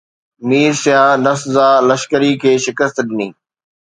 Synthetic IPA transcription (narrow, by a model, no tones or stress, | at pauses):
miːɾsɪjãːnɐszaːləʃkəɾikʰeːʃɪkəst̪ɗɪnĩː